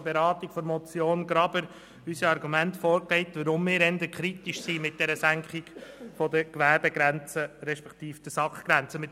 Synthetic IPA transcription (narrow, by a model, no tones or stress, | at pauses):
b̥eɾɑːtikfɔɾmɔt͡sjoːnɡɾɑbəɾ | ysiɑɾɡumæntfɔːɾklɛɪt̪ʋəɾʊmːɪːɾɛndəkʰɾitiʃsimɪt̚d̥ɛɾəsæŋkχɪɡ̥fɔdəkʋæɾbɛɡɾænt͡səɾɛʃpɛkt̪iːfd̪̥əsɑkχɡ̥ɾænt͡səmɪt